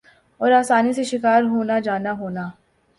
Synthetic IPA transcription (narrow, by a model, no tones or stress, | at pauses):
ɔːɾaːsaːniseʃɪkaːɾɦoːnad͡ʒaːnaɦoːnaː